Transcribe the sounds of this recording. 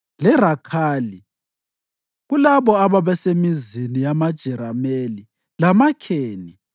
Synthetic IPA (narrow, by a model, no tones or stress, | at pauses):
lɛrakʰaːli | ɣulaβɔaβaβɛsemizinijamad̥ʒ̥ʱɛɾameli | lamakʰeːni